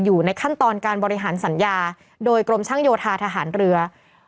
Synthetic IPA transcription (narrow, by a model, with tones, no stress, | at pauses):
juː˨˩na˧jkʰa˥˩nt̪ɔː˧nkaː˧nbɔː˧ɾi˦˧ɦaː˩˦nsa˩˦njaː˧ | doː˧jkɾo˧mt͡ɕʰaː˥˩ŋjoː˧t̪ʰaː˧t̪ʰa˧ɦaː˩˦nɾɯ˧ɐ